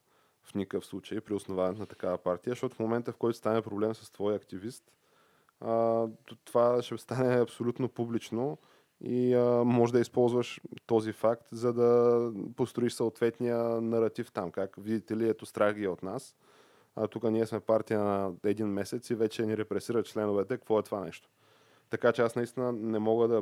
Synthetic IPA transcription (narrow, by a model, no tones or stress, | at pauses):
fnʲikəfslˠut͡ʃəjpɾiosnovanɛt̪nɐt̪ɐ̥kavəpaɾt̪ijəʃt̪ɔt̪ʊ̥fmomɛnt̪əfkɔjt̪ʊ̥st̪anɛpɾoblɛmsəst̪vɔjɐkt̪ivist̪ | ət̪ovaʃɛst̪anɛɐpsolʲut̪nopublit͡ʃno | iəmɔʒd̪əispɔlˠzvəʃt̪ɔzifakt̪zɐd̪ɐpost̪ɾoiʃsəot̪vɛt̪nijənɐɾɐt̪ift̪amkakvid̪it̪ɛliɛt̪ost̪ɾaɣɡiɛot̪nas | t̪ukəniɛsmɛpaɾt̪ijənɐɛd̪inmɛsɛt̪sivɛt͡ʃɛniɾɛpɾɛsiɾət̪t͡ʃlɛnovɛt̪ɛkkvɔɛt̪ovanɛ̰ʃt̪o̥ | t̪ɐkat͡ʃɛasnɐist̪inənɛmɔɡəd̪ɐ